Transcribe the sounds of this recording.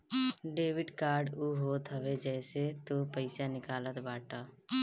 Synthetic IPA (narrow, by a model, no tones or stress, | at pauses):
ɖeːʋɪɖkaːɾɖuːɦoːt̪ɦəʋed͡ʒɛːset̪oːpəɪsanɪkaːlət̪baːʈaː